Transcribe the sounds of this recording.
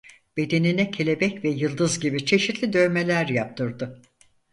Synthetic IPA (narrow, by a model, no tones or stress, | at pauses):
b̥e̞d̪e̞ninɛcʰelʲe̞bɛcvɛjɯlˠd̪ɯzɟibit͡ʃʰe̞ʃit̪lʲid̪ø̞jme̞lʲæɾjap̚t̪ʰɯɾd̪ɯ